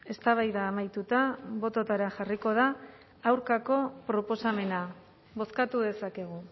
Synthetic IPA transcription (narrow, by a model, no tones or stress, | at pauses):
e̞st̪aβajðaːmajt̪ut̪aβo̞t̪o̞t̪aɾaxariko̞ð̞aː | wɾkako̞pɾo̞po̞same̞na | βo̞skat̪uð̞e̞sake̞ɣ̞u